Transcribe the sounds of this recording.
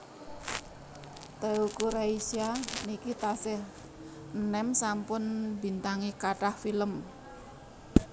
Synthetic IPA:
t̪əukuɾaisianikit̪asɪh | ənɛmsampʊnbi̤nt̪aŋikaʈahfiləm

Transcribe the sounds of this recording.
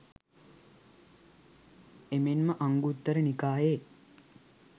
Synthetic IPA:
emenməʔaŋɡut̪ːəɾənikaːɦeː

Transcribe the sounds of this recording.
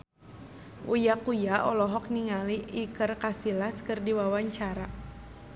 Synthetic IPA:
ʔujakujaʔɔlɔɦɔk̚niŋaliʔːkərkasilaskɨrdiwawaɲt͡ʃaɾa

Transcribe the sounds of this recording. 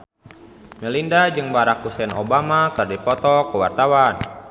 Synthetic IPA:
məlindad͡ʒɨŋbaɾakusɛnobamakɨrdipɔt̪ɔkəwa̰rt̪awan

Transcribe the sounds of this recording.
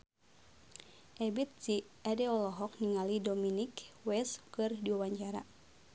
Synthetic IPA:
ʔɛbit̪̚siʔadɛɔlɔɦɔk̚niŋalidominikwɛskɨrdiuwaɲt͡ʃaɾa̰

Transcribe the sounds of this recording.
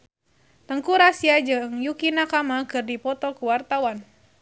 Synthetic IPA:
t̪əŋkuɾasiad͡ʒɨŋjukinakamakɨrdipɔt̪ɔkuwart̪awan

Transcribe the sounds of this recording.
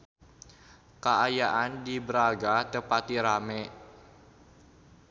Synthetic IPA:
kaajaʔandibəɾaɡat̪əpat̪iɾamɛ

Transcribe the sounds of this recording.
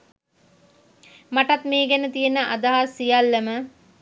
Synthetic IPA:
maʈɐt̪meːɡænət̪ijenəʔa̰d̪aɦasːijɐlːemə

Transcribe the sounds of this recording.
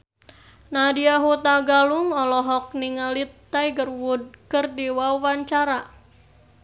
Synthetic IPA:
nadiaɦut̪aɡaluŋɔlɔɦɔk̚niŋalit̪ːajɡərwud̚kərdiwawaɲt͡ʃaɾa

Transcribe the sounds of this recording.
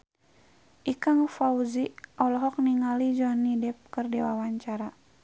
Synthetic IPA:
ʔikaŋfauziʔɔlɔɦɔk̚niŋalid͡ʒɔnidɛp̚kərdɛwawaɲt͡ʃaɾa

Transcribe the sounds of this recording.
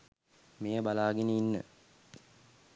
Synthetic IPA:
meːəbalaːɡenəinːə̰

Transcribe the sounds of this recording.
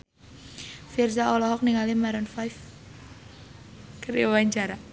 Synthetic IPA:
firzaɔlɔɦɔk̚niŋalimaɾənfajf | kəɾiawaɲt͡ʃaɾa

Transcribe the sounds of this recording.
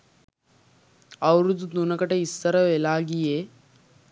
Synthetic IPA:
əwɾud̪ʱːd̪unəkəʈeist̪əɾəʋelaɡije

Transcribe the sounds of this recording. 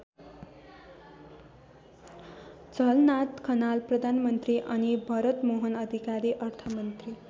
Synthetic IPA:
t͡səlnat̪kʰənalpɾəd̪ʱanmənt̪ɾiʔañibʱəɾət̪moɦənəd̪ʱikaɾiʔəɾt̪ʰəmənt̪ɾi

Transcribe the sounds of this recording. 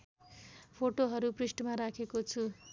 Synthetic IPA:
pʰoʈoɦʌɾuprisʈmaɾakʰekot͡sʰu

